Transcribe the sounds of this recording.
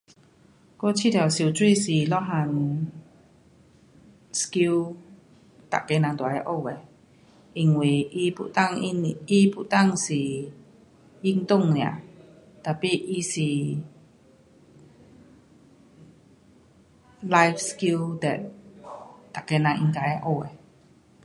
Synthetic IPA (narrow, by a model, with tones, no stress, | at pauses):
ko˦t͡ɕʰi˥˨d̪a˨˩si˨t͡swi˥˧˨si˨lɔ˦ɦa˧˨n | ski˧w | t̪a̰˨ke˧nã˧ŋd̪wa˨a˧ʔo˧˨we˨ | i˧ŋwi˧˩ʔi˧pṵ˧˨ʔt̪a˥˨ŋi˧n˧i˧pṵ˧˨ʔt̪a˥˨ŋsi˨ | ji˧ŋt̪ʊ˥˨ŋnja̰˨ʔ | t̪a˨pi˦ʔi˧si˨ | la˧jfski˧ld̪ɛ˨ʔ | t̪a˨ʔke˧nã˧ŋi˧ŋka˨ja˧ʔo˧e˨